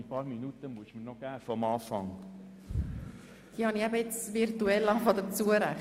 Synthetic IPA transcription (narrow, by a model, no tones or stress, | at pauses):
ipɑːɾminutəmuəsmənɔɡ̥æːnfɔəmɑːfɑŋ | d̥iːhɑniæbəɪt͡svirtuɛlːɑfɔd̪ət͡suəɾæχ